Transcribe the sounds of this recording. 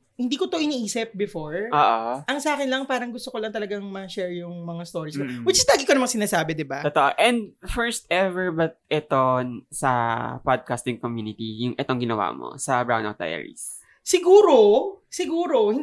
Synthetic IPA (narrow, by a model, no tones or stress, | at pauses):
hɪnd̪iːkot̪oʔɪniʔiːsɪp̚bɪfoɹʔoːʔoʔɐŋsɐaːkɪnlɐŋpaːɾɐŋɡʊst̪okolɐŋt̪ɐlɐɡaŋmɐʃɛɹjʊŋmɐŋast̪o̞ːɾiskowɪd̪d͡ʒɐst̪laːɡɪkomɐŋsɪnaːsaːbɛd̪ɪbaot̪oʔoʔɛnd̪̚fɛɹst̪ɛvɛɹbɐt̪̚ɛt̪onsɐpad̪̚kast̪ɪŋkomjuːnɪt̪ijʊŋʔɛt̪oŋɡɪnɐwa̰ːmo̰sɐbɹawna̰t̪̚ːa̰jɛ̰ɹḭs | sɪɡuːɾosɪɡuːɾo̞hɪ